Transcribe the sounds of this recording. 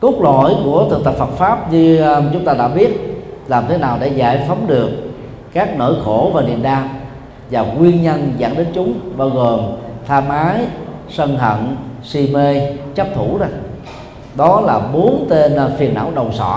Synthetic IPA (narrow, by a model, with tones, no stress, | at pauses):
kə˦˥k͡p̚lɔ̰˧˨jku˧˩ət̪ɨ˨˩ŋt̪ə˨˩p̚fə˨˩t̚faː˦˥p̚ɲɨ˧t͡ɕʊ˨˦ŋ͡mt̪aː˧ɗa̰ː˧˥ɓi˦˥ət̚laː˨˩mt̪ʰe˨˦naː˨˩wɗḛ˧˩za̰ː˧˩jfə˨˦wŋ͡mɗɨ˨˩əkː | aː˦˥k̚no̰ː˧˩jxo˧˩vaː˨˩nḭ˧˨ənɗaː˧m | vaː˨˩kwi˧ənɲə˧nza̰ː˧˩ŋɗe˨˦nt͡ɕʊ˨˦ŋ͡mɓaː˧wɣo˨˩mt̪ʰaː˧maː˨˦jsə˧nɦə̰˧˨nsi˧me˧t͡ɕə˦˥p̚t̪ʰu˧˩za˧˩ | ɗɔ˨˦laː˨˩ɓo˨˦nt̪e˧n˧fi˨˩ənʔa̰ː˧˩wɗə˨˩wŋ͡msɔ̰˧˩˨